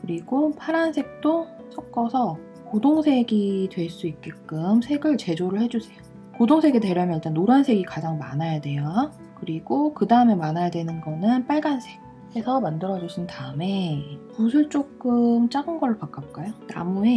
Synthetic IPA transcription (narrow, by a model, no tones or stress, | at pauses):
kɯɾiɡopʰaɾansʰe̞k̚t͈o | sʰʌk̚k͈ʌsʰʌ | kodoŋsʰe̞ɡitwe̞ɭs͈uit̚k͈ek͈ɯmsʰe̞ɡɯɭt͡ɕe̞d͡ʑoɾɯɭhe̞d͡ʑusʰe̞jo̥ | kodoŋsʰe̞ɡedwe̞ɾjʌmjʌniɭt͈anːoɾansʰe̞ɡikad͡ʑaŋmanajadwe̞joa | kɯɾiɡokɯdaɯme̞manajadwe̞nɯnɡʌnɯnp͈aɭɡansʰe̞̥k̚ | he̞sʰʌmandɯɾʌd͡ʑuɕʰintaɯme̞pusʰuɭt͡ɕ͈ok͈ɯmt͡ɕ͈aɡɯnɡʌɾɯɭpak͈ap̚k͈ajota̰mune